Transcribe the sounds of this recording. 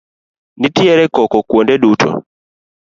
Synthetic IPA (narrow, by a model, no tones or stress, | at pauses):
nitiɛɾɛkɔkɔkwondɛdutʰɔ̰